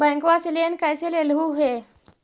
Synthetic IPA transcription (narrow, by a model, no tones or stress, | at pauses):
bɛ̃ŋkʋasilenkajselelɦuɦe